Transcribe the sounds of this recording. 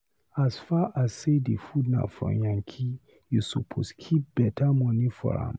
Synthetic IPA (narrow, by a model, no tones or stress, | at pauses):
asfaʔassedefudna̰ʊfɹɔ̰̃mjãŋkʰi | jusupʰoskʰip̚b̥ɛtʰamɔnifɔ̰ɹã̰m